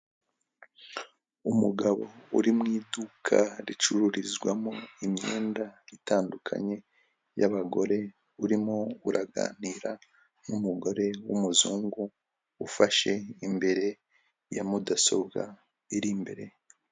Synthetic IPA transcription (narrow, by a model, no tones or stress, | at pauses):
umuɡaβo̞̰uɾimŋiːdukʰa̰ɾit͡ʃuɾuɾizɡwamoimɲeːndaitaːndukʰa̰ɲe̞ | jaβaɡo̞ɾe̞ | uɾimouɾʔaɡa̰ːniːɾa | numuɡo̞ɾe̞wumuzuːŋɡuː | faʃe̞imbe̞ɾe̞ | jamudaso̞bɡa̰ | eɾimbe̞ɾe̞